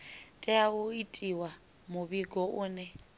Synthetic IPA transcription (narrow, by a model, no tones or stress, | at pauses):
tʼɛaβʊitʼiwa | mʊβiɡɔʔʊːnɛ